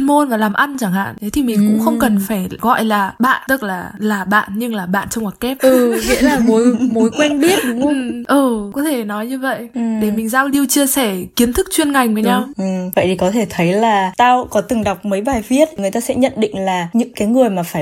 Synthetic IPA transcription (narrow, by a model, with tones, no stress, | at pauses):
nmo˧nvaː˨˩laː˨˩mʔa˧nt͡ɕaː˧˩ŋha̰ː˧˨nt̪ə˨˦jt̪ʰi˨˩mï˨˩ŋ̟kʊ̰˧˥ŋ͡mxə˧wŋ͡mkə˨˩nfaː˧˩jɣɔ̰˧˨jlaː˨˩ɓa̰ː˧˨nt̪ɨ˦˥t̚laː˨˩laː˨˩ɓa̰ː˧˨nɲɨ˧ŋlaː˨˩ɓa̰ː˧˨nt͡ɕɔ˧wŋ͡mwaː˨˩kɛ˦˥p̚ʔɨː˨˩və̰˧˨laː˨˩mo˨˦jmo˨˦jkwɛ˧nɓi˦˥ət̚ɗʊ˨˦ŋ͡mʔɨː˨˩kɔ˨˦t̪ʰe˧˩nɔ˨˦jɲɨ˧və̰˧˨jʔɗe˧˩mï˨˩ŋ̟zaː˧wli˧wt͡ɕɨ˧əsɛ˧˩ki˨˦ənt̪ʰɨ˦˥k̚t͡ɕwi˧ənŋa˨˩jŋ̟vəː˨˦jɲa˧wʔɨ˨˩və̰˧˨jt̪ʰi˨˩kɔ˨˦t̪ʰe˧˩t̪ʰə˨˦jlaː˨˩t̪aː˧wkɔ˨˦t̪ɨ˨˩ŋɗa˨˩wk͡p̚məː˨˦jɓaː˨˩jvi˦˥ət̚ŋɨ˨˩əjt̪aː˧sɛ̰˧˥ɲə̰˧˨nɗḭ̈˧˨ŋ̟laː˨˩ɲɨ̰˧˥ŋkaː˨˦jŋɨ˨˩əjmaː˨˩faː˧˩j